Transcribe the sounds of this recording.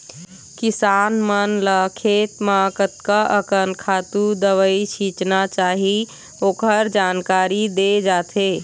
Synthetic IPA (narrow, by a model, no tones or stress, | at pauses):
kisanmənləkʰet̪makət̪kaʔəkənkʰaːt̪ud̪əʋəit͡ʃʰit͡ʃnat͡ʃaːɦi | oːkəɾd͡ʒankaːɾid̪ed͡ʒaːt̪ʰe